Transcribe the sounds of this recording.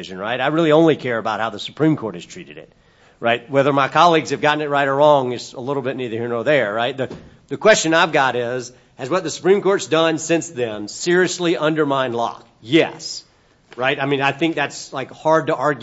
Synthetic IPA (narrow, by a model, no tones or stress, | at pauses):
ɪʒɨ̃nɹaɪɾaɪɹɪlˠiõʊ̃nlikʰɛɹɨbaʊt̚haʊðəsə̥pʰɹ̥ĩmkʰɔɹɾ̚ɨz̥tʰɹ̥iɾɨɾɪ̰t̚ | ɹʔaɪt̚wɛðə˞maɪkʰɑlˠiɡz̥ɨvɡɑʔn̩ɨt̚ɹaɪɾə˞ɹɔ̃ŋɨtsəlɪɾl̩ˠbɪtⁿniðə˞hiɹnə˞ðə˞ɹaɪt̪̚ðɨ | ðɨkʰw̥ɛst͡ʃɨ̃naɪvɡɑɾɪz | ɨzwʌt̪̚ðɨsə̥pʰɹ̥ĩmkʰɔɹtsd̥ʌ̃nsɪ̃nsðɨ̃msɪɹiɨsliʔʌ̃ndə˞mãɪ̃nlɔ̰k | jɛ̰s | ɹaɪtaɪmĩnaɪθɪ̃ŋk̚ðætslaɪkhɑɹd̚təʔɑɹɡj